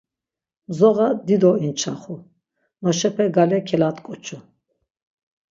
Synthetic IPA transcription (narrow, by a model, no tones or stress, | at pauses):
mzɔɣad̪id̪ɔint͡ʃʰaχu | nɔʃɛpʰɛɡalɛkʰɛlat̪kʼɔt͡ʃʰu